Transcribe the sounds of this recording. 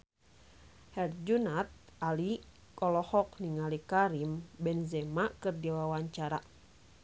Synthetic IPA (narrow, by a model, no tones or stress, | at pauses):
hɛrd͡ʒunat̪̚ali | kɔlɔhɔk̚niŋalikaɾimbɛnzɛmakɨrdiwawaɲt͡ʃaɾa